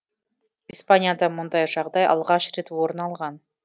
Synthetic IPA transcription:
ispanʲɪjad̪ɑmund̪ɑjʒɑʁd̪ɑjɑ̰lˠʁɑʃrʲit̪uoɾnɑlˠʁɑn

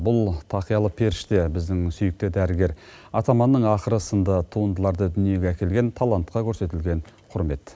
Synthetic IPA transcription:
bʊlˠt̪ʰɑqijɑlˠəpʰe̞ɾɪʃt̪e̞bɪzd̪ɪŋsʏjɪk̚t̪ɪd̪æɾɪɡʲe̞ɾɑt̪ɑmɑnːəɴɑqəɾəsənd̪ət̪ʰuənd̪əlˠɑɾd̪əd̪ʏnije̞ɡʲeækʲe̞lɡʲe̞nt̪ʰɑlˠɑnt̪̚qɑkʲʰɵɾse̞t̪ɪlɡʲe̞ɴqʰʊɾme̞t̪

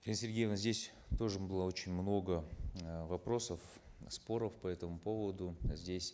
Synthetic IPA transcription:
ɡʲensʲɪrʲɡʲejevnzʲdʲesʲ | t̪o̞ʐɨbɨlˠəo̞t͡ɕɪnʲmno̞ɡəvɐpro̞səf | spo̞ɾəfpɐɛt̪əmʊpo̞vəd̪ʊzʲdʲesʲ

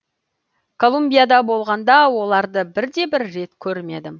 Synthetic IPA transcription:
kʰo̞lˠumbijad̪ɑbo̞lˠʁɑnd̪ɑwo̞lˠɑɾd̪əbɪɾd̪e̞bɪɾːe̞t̪kʲʰɵɾme̞d̪ɪ

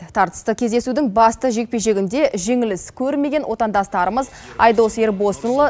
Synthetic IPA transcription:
t̪ʰɑɾt̪ə̥st̪əkʲʰe̞zd̪esud̪ɪŋbɑst̪əʒe̞k̚peʃe̞ɡʲɪnd̪e̞ʒe̞ŋɪlɪskʲʰɵɾme̞ɡʲe̞nwʔo̞t̪ɑnd̪ɑst̪ɑɾəməz | ɑjd̪ose̞ɾbo̞st̪nlˠə

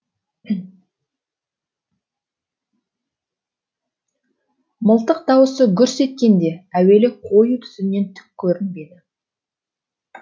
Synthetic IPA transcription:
məlˠt̪əq̚d̪ɑwəsəkʲʰʏɾse̞t̪̚kʲe̞nd̪e̞æwe̞lɪqʰo̞jət̪ʰʏ̥sɪnːe̞nt̪ʰʏ̥k̚ʲkʲʰːɵɾɪnbe̞d̪ɪ

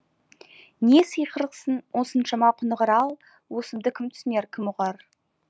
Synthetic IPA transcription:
nesəjqʰəɾəqsənwʔosənʃɑmɑqʰʊnəʁəɾɑlˠ | wosəmd̪əkʲʰɪmt̪ʰʏ̥sɪneɾkʲʰɪmʊʁɑɾ

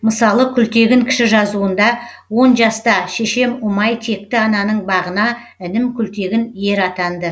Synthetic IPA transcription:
məsɑlˠəkʲʰʏlt̪e̞ɡʲɪŋkʲʰɪ̥ʃɪʒɑzuənd̪ɑ | wo̞nʒɑst̪ɑʃeʃe̞mʊmɑjt̪ʰe̞k̚t̪ɪɑnɑnəɴbɑʁənɑ | ɪnɪmkʲʰʏlt̪e̞ɡʲɪnje̞ɾɑt̪ɑnd̪ə

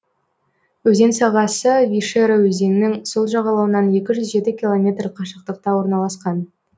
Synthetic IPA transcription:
wɵze̞nsɑʁɑsəvʲiʃeɾawɵze̞nɪnɪŋso̞lˠʒɑʁɑlˠɑwənɑne̞kʲɪʒʏzʒe̞t̪ɪkʲilˠo̞mʲe̞t̪rqʰɑʃəq̚t̪əq̚t̪ɑwo̞ɾnɑlˠɑsqɑn

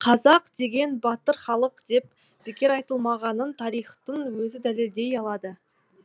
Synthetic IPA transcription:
qʰɑzɑqd̪e̞ɡʲe̞nbɑt̪əɾχɑlˠəqd̪̥e̞p̚ | b̥ekʲe̞ɾɑjt̪əlˠmɑʁɑnənt̪ʰɑɾijχt̪əɴwɵzɪd̪æle̞ld̪e̞jɑlˠɑd̪ə

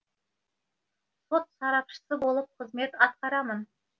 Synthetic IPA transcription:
so̞t̪sɑɾɑpʃə̥səbo̞lˠəp̚qʰəzme̞t̪ɑt̪̚qɑɾɑmən

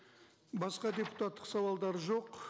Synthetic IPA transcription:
bɑsqɑd̪ʲe̞pu̥t̪at̪ːəqsɑwɑlˠd̪ɑɾəʒo̞q

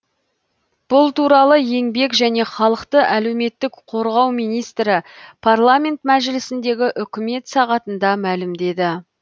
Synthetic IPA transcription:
b̥ʊlˠt̪uɾɑlˠəje̞ŋbe̞kʒæne̞χɑlˠəqt̪əʔæle̞wme̞t̪ːɪkqʰo̞ɾʁɑwmijnijst̪ɾɪpʰarlˠamʲe̞nt̪mæʒɪlɪsɪnd̪e̞ɡʲɪʔʏkʲɪme̞t̪sɑʁɑt̪ənd̪ɑmælɪmd̪e̞d̪ɪ

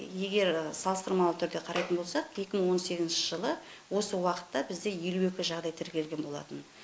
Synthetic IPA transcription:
je̞ɡʲe̞ɾsɑlˠəst̪əɾmɑlˠət̪ʰʏɾd̪e̞qʰɑɾʔɑjt̪ənbo̞lˠsɑqje̞kʲɪməɴwo̞nse̞ɡʲɪzɪnʃɪʒəlˠə | wo̞səwɑqə̥t̪ːɑbɪzd̪e̞je̞lue̞kʲɪʒɑʁd̪ɑjt̪ʰɪɾkʲe̞lɡʲe̞nbo̞lˠɑ̰t̪ən

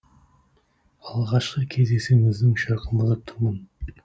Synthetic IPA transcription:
ɑlˠʁɑʃqəkʲʰe̞zd̪e̞se̞ŋɪzd̪ɪŋʃɑɾqʰəməzət̪ʰʊɾmən

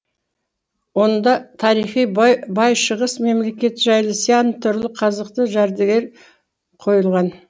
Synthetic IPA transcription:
wo̞nd̪ɑt̪ʰɑɾijχijbɑjʃəʁəsme̞mle̞kʲe̞t̪ʒæjlˠəseɑnt̪ʰʏɾlˠəqʰɑzəq̚t̪əʒæɾd̪eɡʲe̞ɾ | qʰo̞jəlˠʁɑn

